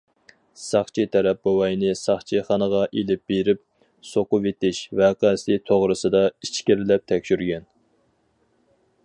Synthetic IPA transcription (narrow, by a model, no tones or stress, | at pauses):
sɑχt͡ʃʰit̪ʰɛɾɛp̚bowɑjnɪsɑχt͡ʃʰiχɑnəʁɑʔelɪp̚b̥eɾɪp̚ | soqʊvet̪ɪʃvæqɑsɪt̪ʰoʁɾɨsɨd̪ɑit͡ʃkʲiɾlɛp̚t̪ʰɛkʲʃyɾɡʲɛn